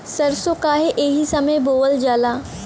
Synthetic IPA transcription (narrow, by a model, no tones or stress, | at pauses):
sɐɾsokaːɦeʔeːɦisɐməjboːəld͡ʒaːlaː